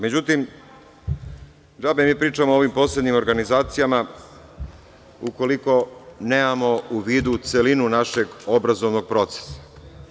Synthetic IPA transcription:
me̞d͡ʑut̪im | d̪abemiːpɾiːt͡ʃamoo̞ʋimpo̞sleɲimo̞ɾɡanizaːt̪sijama | uko̞liko̞neːmamo̞uʋiːd̪ut̪se̞linunaʃe̞ɡo̞bɾazo̞ʋno̞ɡ̚pɾo̞t̪se̥sḁ

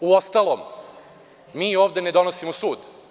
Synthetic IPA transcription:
uost̪aːlˠo̞ːm | miːoːʋd̪e̞ned̪o̞nosimosuːd̪

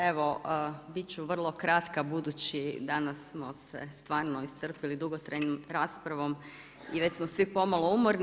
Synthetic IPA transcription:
e̞ʋobitt͡ɕuʋr̩lˠo̞kɾat̪kabud̪ut͡ɕid̪anasːmosḛst̪ʋaːɾnoist̪sər̩pilid̪uɡot̪ɾajɲomɾaːspɾaʋo̞m | iʋe̞t͡ɕsmosʋipo̞malˠoumoɾn

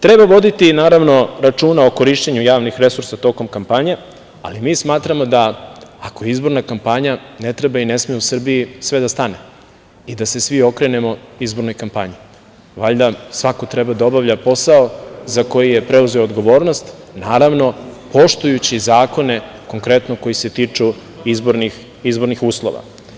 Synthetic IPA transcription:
t̪ɾebaʋo̞d̪it̪inaːɾaʋno̞ɾat͡ʃuːnaoko̞ɾiʃt͡ɕeɲujaːʋnixɾe̞suɾsat̪o̞ko̞mkampaɲe | a̰limiːsmaːt̪ɾamo̞d̪aako̞jeizbo̞ɾnakampaɲane̞t̪ɾebaine̞smijeusr̩biisʋe̞d̪ast̪ane̞ | id̪ase̞sʋio̞kɾe̞ne̞mo̞izbo̞ɾno̞jkampaɲi | ʋaʎd̪asʋakot̪ɾe̞bad̪ao̞bavʎapo̞saozako̞jije̞pɾe̞uze̞oːd̪ɡo̞ʋo̞ːɾnost̪ | naːɾaʋno̞po̞ʃt̪ujut͡ɕizaːko̞ne̞ | ko̞ŋkɾe̞t̪noko̞jise̞t̪it͡ʂu | izboɾni | izbo̞ɾnixuːslˠo̞̰ʋa̰

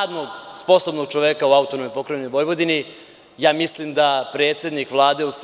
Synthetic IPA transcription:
d̪noɡspo̞sobno̞ɡ̚t͡ʃoʋeːkauaut̪onojpo̞kɾeʋnojʋo̞jʋo̞d̪ini | jaːmislimd̪apɾeːt̪sʲje̞d̪nikʋlˠaːd̪e̞us

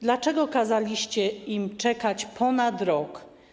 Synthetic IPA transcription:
d̪lat͡ʂɛɡɔkazalʲiɕt͡ɕɛimt͡ʂɛkat͡ɕpʰɔnad̪ɾɔk

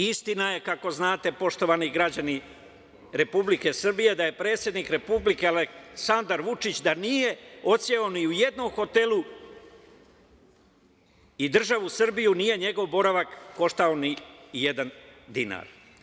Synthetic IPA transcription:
ist̪inaje̞kako̞znaːt̪e̞po̞ʃt̪o̞ʋaniɡɾad͡ʑani | ɾe̞publike̞sr̩bije̞d̪aje̞pɾe̞ːt̪sje̞d̪nikɾepublike̞aleksand̪aɾʋut͡ʂit͡ɕd̪anije̞o̞t̪sjeoniujed̪nomxo̞t̪e̞lu | id̪r̩ʒaʋusr̩bijunije̞ɲe̞ɡo̞ʋbo̞ɾaʋakːo̞ʃt̪aonijed̪and̪ina̰ːɾ

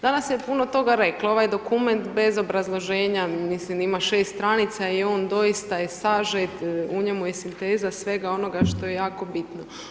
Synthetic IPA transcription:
d̪anasjepuno̞t̪o̞ɡaɾe̞klao̞ʋajd̪o̞kume̞nt̪be̞zo̞bɾazlˠo̞ʒe̞ːɲamislimimaʃeːst̪t̪ɾanit̪saio̞ːnd̪o̞jist̪ajesaʒet̪uɲemujesint̪eːzasʋe̞ɡao̞no̞ɡaʃt̪o̞je̞jaːko̞bit̪no̞

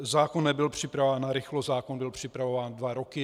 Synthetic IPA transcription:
zaːkonːɛbɪlpr̝̥ɪpɾavaːnːaɾɪxlozaːkonbɪlpr̝̥ɪpɾavovaːndvaɾokɪ

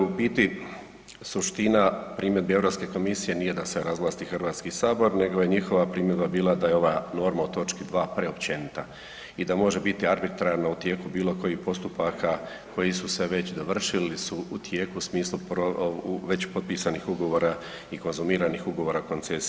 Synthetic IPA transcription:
ubit̪i | suʃt̪inapɾiːmje̞d̪bieʋɾo̞ːpske̞ko̞misije̞nije̞d̪aseɾazlˠaːst̪ixrʋaːt̪skisaːbo̞ɾne̞ɡoje̞ɲixo̞ʋapɾiːmje̞d̪̚babiːlˠad̪aje̞o̞ʋaːno̞ɾmaut̪o̞t͡ʃkid̪ʋaːpɾe̞opt͡ɕe̞nit̪a | id̪amo̞ʒe̞bit̪iaɾbit̪ɾaɾnaut̪je̞ːkubiːlˠo̞ko̞jiːhpo̞st̪upaka | kʰo̞jisuse̞ʋe̞t͡ɕd̪o̞ʋr̩ʃilisuut̪jeːkuːsmiːslˠupoʋe̞t͡ɕpo̞t̪̚piːsanixuɡo̞ʋo̞ːɾa | iko̞nzumiːɾanixuɡo̞ʋo̞ːɾako̞nt̪ses

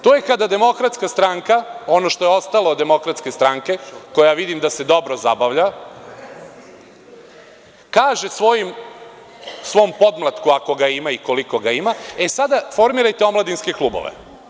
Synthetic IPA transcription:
t̪ojekad̪ad̪e̞mo̞kɾat̪skast̪ɾaŋkao̞no̞ʃt̪o̞jeo̞st̪alod̪e̞mo̞kɾat̪skest̪ɾaŋke̞ko̞jaʋid̪imd̪ase̞d̪o̞bɾo̞zabaʋʎa | kaːʒe̞sʋo̞jim | sʋo̞mpo̞d̪mlˠat̪kuako̞ɡaimaiko̞liko̞ɡaimaesad̪afo̞ɾmiɾajt̪eo̞mlad̪inske̞kluːbo̞̰ʋḛ

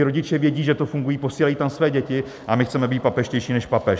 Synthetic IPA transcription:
ɪɾo̞ɟɪt͡ʃɛvjɛɟiːʒɛt̪ofuŋɡujiːpo̞siːlajiːt̪amsvɛːɟɛcɪ | ʔamɪxt͡sɛmɛbiːt̪papɛʃcɛjʃiːnɛʃpapɛʃ

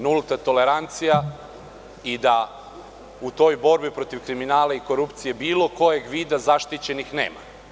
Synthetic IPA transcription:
nulˠt̪at̪o̞leɾant̪sija | id̪a | ut̪o̞jbo̞ɾbipɾo̞t̪iʋkɾiminaːlaiko̞ɾupt̪sije̞biːlˠo̞ko̞jeɡʋiːd̪azaʃt̪it͡ɕe̞nixneːma̰

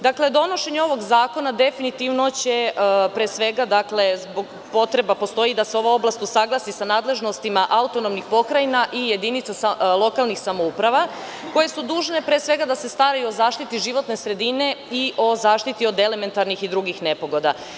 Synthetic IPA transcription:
d̪akle̞d̪o̞no̞ʃe̞ɲeo̞ʋo̞ɡzaːko̞nad̪e̞finit̪iʋno̞t͡ɕe̞pɾeːsʋe̞ɡad̪akle̞zbo̞ɡ | po̞t̪ɾe̞bapo̞st̪o̞id̪aseo̞ʋoo̞blˠast̪usaɡlˠasisanaːd̪le̞ʒno̞st̪imaʔaut̪o̞no̞mnixpo̞kɾainaʔije̞d̪init̪sasalˠo̞kalˠnixsamoupɾaʋa | ko̞je̞sud̪uːʒne̞pɾeːsʋe̞ɡad̪ase̞st̪aɾajuozaːʃt̪it̪iʒiʋo̞t̪ne̞sɾe̞d̪ine̞iʔo̞zaːʃt̪it̪io̞d̪e̞leme̞nt̪aɾnixid̪ɾuɡixne̞po̞ɡo̞d̪a̰

